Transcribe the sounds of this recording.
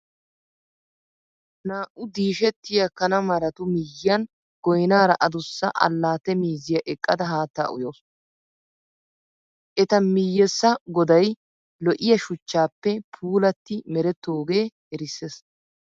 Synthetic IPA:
naːʔʊd̪iːʃɛt̪ːɪjɐkɐnɐmɐɾɐt̪ʊmɪjːɐn | ɡ̥ɔjnaːɾɐ̰ʔɐd̪ʊsːɐ̰ʔɐ̰lːaːt̪ɛmiːzɪjɐʔɛkʼːɐd̪ɐɦaːt̪ːa̰ːʔʊ̰joːs | ʔɛt̪ɐmɪjːɛsːɐɡɔd̪ɐj | lɔʔɪjɐʃʊt͡ʃːaːpːɛpʰuːlɐt̪ːɪmɛɾɛt̪ːoːɡe̞ː | ɛɾɪsːes

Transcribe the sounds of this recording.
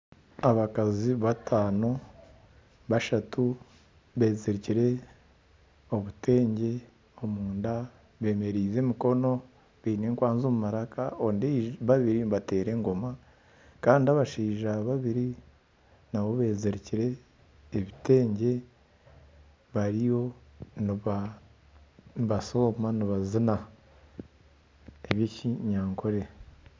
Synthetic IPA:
aβakaziβatʰaːno̞ | βaʃatu | βe̞ːzeɾeciɾe̞ | o̞βute̞ːɲɟe̞ | o̞muːnda | βe̞ːme̞ɾiːze̞ːmiko̞no̞ | βiːne̞ːŋkwaːnzo̞mumaɾaka̰ondeβaβiɾiβate̞ːɾe̞ŋɡo̞ma | kaːndiaβaʃiːʒaβaβiɾi | nawo̞βe̞ːzeɾeciɾe̞ː | βite̞ːɲɟe̞ | βaɾijo̞niβa | βaso̞maniβazina | eβiciɲaːŋkʰoɾe̞

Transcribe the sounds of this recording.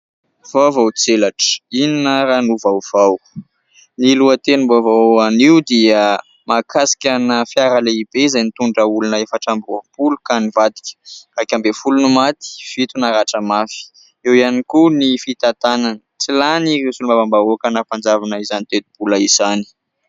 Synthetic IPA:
vawvawt͡selaʈ͡ʂə̥ininəɾanuvawv̥aw | niluət̪enimbovawaniwd̪iə | makʰasi̥kʲanəfjaɾaleibeizajnit̪uɳɖ͡ʐəulunəefaʈ͡ʂambropulukanivad̪i̥kʲə̥rakʲambefulunumat̪i̥fit̪unaɾaʈ͡ʂəmafi̥ | ewianikunifit̪at̪ananət͡silaniresulmavambaokanapand͡zavanaizanit̪ed̪ib̥ulaizani̥

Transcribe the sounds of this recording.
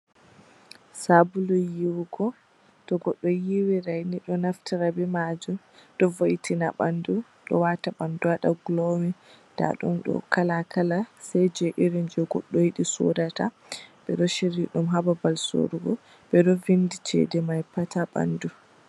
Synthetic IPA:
sabulujiwɡɔ | tɔɡɔɗːɔjiwiɾajniɗɔnaftiɾabɛmad͡ʒum | ɗɔvojitʰinaɓandu | ɗɔ̰wataɓanduwaɗa̰ɡlɔmɛ | d̥a̰ɗṵmɗɔ̰kalakʰalasajd͡ʒɛʔiɾind͡ʒɛɡɔ̰ɗːɔjiɗisɔ̰data | ɓɛɗɔʃiɾiɗumɦababalso̰ɾuɡɔ | ɓɛɗɔvindit͡ʃʰɛ̰dɛmajpatʰaɓa̰ndu

